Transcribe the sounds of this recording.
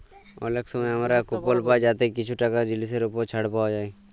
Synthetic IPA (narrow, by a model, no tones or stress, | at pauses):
ɔ̰leksɔmajɦəmɾakupolpad͡ʒat̪ekɪt͡ʃʰuʈakad͡ʒɪlis̬eɾupot͡ʃʰaɽpawd͡ʒaːi